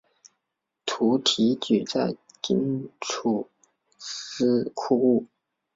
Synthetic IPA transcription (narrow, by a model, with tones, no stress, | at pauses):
t̪ʰu˧˥t̪ʰi˧˥t͡ɕy˨˩t͡sa˥˧ɪ | t͡ɕḭ˥ŋʈ͡ʂʰu˨˩ | ʂ̩˥kʰu˥˧u˥˩